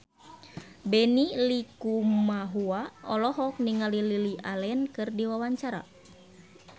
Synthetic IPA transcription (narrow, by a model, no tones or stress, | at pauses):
bɛnilikumaɦuaɔlɔɦɔk̚niŋalililiʔalɛnkɨrdiwawaɲt͡ʃaɾa̰